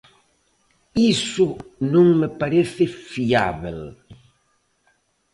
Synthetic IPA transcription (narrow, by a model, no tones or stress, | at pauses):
isʊnõŋmepaɾeθɪfia̰βel